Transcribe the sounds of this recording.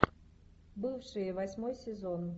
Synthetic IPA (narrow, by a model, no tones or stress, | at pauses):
bɨfʂɨjəvɐsʲmojsʲɪzon